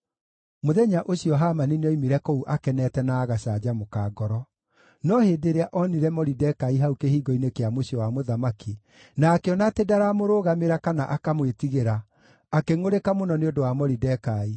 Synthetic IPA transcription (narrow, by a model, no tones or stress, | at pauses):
moðɛɲaʔoɕijɔɦamanineɔimiɾɛkouʔakɛnɛtɛnaːɣaɕad͡ʑamokaːɡɔɾɔ | nɔheːdeɾeaʔɔniɾɛmɔɾidɛkaiɦaukehiːɡɔinekeamoɕiɔwamoðamaki | naːkeɔnatedaɾamoɾoːɣameɾakanaʔakamwetiɣeɾaː | keŋoɾekamonɔneondowamɔɾidɛkai